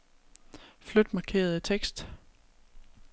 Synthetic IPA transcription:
flød̥mɑ̈kʰe̝̰ːɐð̞̩ˠət͡sʰeɡ̥sd̥

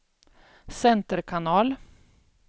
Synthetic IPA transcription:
sɛnt̪əɾkʰanɑːl

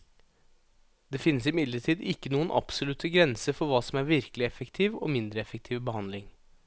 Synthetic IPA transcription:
d̪eːfɪnːəsɪmɪd̪ləʈʰiːd̪ɪkːənuːənʔɑ̰psɔlʉt̪əɡɾɛnsəfɔɾʋɑːsɔmæɾʋɪɾkəlɪɛfəkt̪ʰiːʋo̰ːmɪnd̪ɾəɛfək̚t̪ʰiːʋbəhɑnlɪŋ

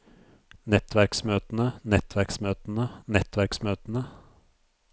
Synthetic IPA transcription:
nɛt̪ʋæɾksmøːt̪n̩ənɛt̪ʰʋæɾksmøːt̪n̩ənɛt̪ʋæɾksmøːt̪n̩ə

